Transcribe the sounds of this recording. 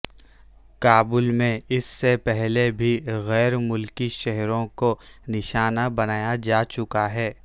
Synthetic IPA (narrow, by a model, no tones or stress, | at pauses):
kaːbʊlmẽɪsːepɛɦlebʱiɣɛːɾmʊlkiʃɛɦɾõkonɪʃaːnabɐnaːjad͡ʒaːt͡ʃʊkaɦɛː